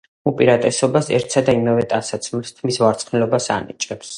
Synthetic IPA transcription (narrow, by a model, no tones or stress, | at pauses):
upʼiɾat̪ʼɛsɔbasɛ̰ɾt̪ʰsʰad̪aimavɛt̪ʼasat̪sʰmlst̪ʰmisvaɾt̪sʰʼχnɛlɔbasa̰nḭt͡ʃʼɛps